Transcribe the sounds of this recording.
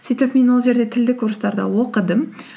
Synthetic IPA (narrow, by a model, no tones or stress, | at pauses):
sijt̪epme̞nwo̞lˠʒe̞ɾd̪et̪ʰɪld̪ɪkʰːuɾəst̪ɑɾd̪ə̰wo̞qəd̪əm